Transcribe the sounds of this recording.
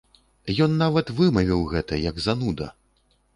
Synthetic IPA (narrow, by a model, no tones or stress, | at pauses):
jɔnːavɐt̪vɨmɐvʲiwɣɛt̪ɐjɐɡzanud̪ɐ̰